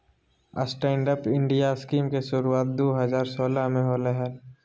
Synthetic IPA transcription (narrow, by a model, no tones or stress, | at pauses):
ə̰sʈɛ̃ːɳɖəpɪ̃ɳɖijaskiːmkesʊɾuaːt̪̚d̪oːɦəzaːɾsoːlaɦmẽɦoːləɦə